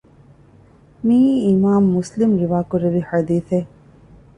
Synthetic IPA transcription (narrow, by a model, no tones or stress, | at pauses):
miːmaːmːuslimɾiʋaːkuɾeʋihɐd̪iːθe